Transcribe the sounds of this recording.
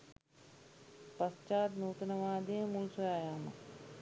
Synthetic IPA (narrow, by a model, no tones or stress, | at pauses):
pɐst͡ʃaːt̪nuːt̪ɐnɐʋaːd̪imulsɐjaːjaːmɐ̰